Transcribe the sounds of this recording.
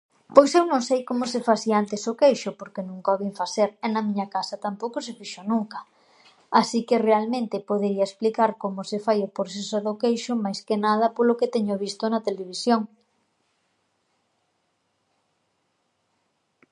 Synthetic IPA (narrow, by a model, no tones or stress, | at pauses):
pojsewnõŋsejkomʊsefaθiaant̪esokejʃʊpoɾkenũŋkaoβeɱfaθeɾɛnɐmĩɲakasɐt̪ampowkʊsefiʃonũŋkɐ | asikɪrealmẽnt̪ɪpoðeɾiɐesplikaɾkomʊsefajopoɾθesoðokejʃʊmajskenað̞ɐpoloket̪ɛɲoβ̞ist̪ʊnɐt̪eleβ̞isjoŋ